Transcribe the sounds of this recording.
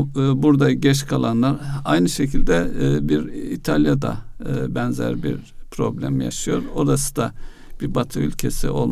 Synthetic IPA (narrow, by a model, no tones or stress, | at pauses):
buɾd̪aɟɛt͡ʃkʰalˠanlˠaɾajnɯʃecʰilʲd̪ɛbiɾit̪ʰalʲˠjad̪a̰bɛnzæ̰ɾbḭɾpʰɾo̞blʲæ̰mja̰ʃɯjo̞ɾo̞ɾasɯ̥d̪a | b̥iɾbat̪ʰɯylʲcʰesḭo̞lˠ